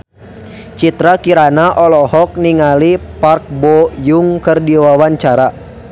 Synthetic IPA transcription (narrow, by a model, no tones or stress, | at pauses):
t͡ʃit̪ɾakiɾanaʔɔlɔhɔk̚niŋalipark̚bɔjuŋkərdiwawaɲt͡ʃaɾa